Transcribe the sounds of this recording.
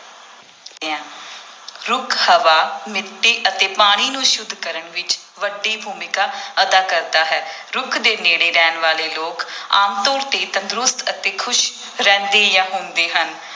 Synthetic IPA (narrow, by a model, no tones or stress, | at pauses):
ɾʊkʰhəʋaːmɪt̪ːeːʔət̪eːpaːɽ̃iːnũːʃʊd̪ʱːkəɾəɳʋɪt͡ʃ | ʋəɖːiːbʱuːmɪkaːəd̪aːkəɾd̪aːɦɛːɾʊkʰd̪eːneːɽeːɾɛːnʋaːleːloːkaːmt̪ɔːɾt̪eːt̪ənd̪ɾʊst̪ət̪eːkʰʊʃ | ɾɛ̃ːnd̪eːjãːɦoːnd̪eːɦən